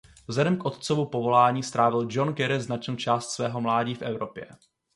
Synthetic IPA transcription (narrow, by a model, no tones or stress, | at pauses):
vzlɛdɛmkʔo̞t̪t͡sovupo̞vo̞laːɲiːst̪ɾaːvɪld͡ʒo̞nkɛɾɪznat͡ʃnoːt͡ʃaːst̪svɛːɦo̞mlaːɟiːfʔɛvɾo̞pjɛ̰